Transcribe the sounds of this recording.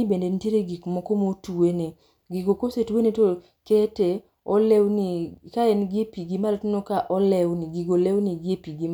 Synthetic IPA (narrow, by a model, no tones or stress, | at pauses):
ibendentjeɾeɡikmɔkomotuwene | ɡiɡokosetuweneto | kete | ɔlɛwnikaɛnɡepiɡimaltonokaʔɔlɛwniɡiɡolewniɡepiɡim